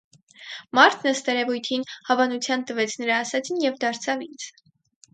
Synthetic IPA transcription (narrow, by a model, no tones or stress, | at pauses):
mɑɾt̪ʰnəst̪ɛɾɛvujt̪ʰinhɑvɑnut͡sʰjɑnt̪əvɛt͡sʰnəɾɑːsɑt͡sʰinjɛvd̪ɑɾt͡sʰɑvint͡sʰ